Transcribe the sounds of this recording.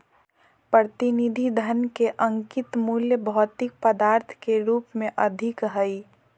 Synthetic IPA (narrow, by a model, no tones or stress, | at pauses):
pɾət̪inid̪ʱid̪ʱənkeʔəŋkit̪muljəbʱɔːt̪ik̚pəd̪aːɾt̪ʰkeɾuːpmẽʔəd̪ʱikɦəi